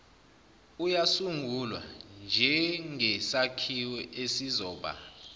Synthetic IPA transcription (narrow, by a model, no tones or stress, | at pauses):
ujasuŋɡʱulwa̰nd͡ʒʱɛŋɛsakʰiwɛʔesizɔːɓa̰ːla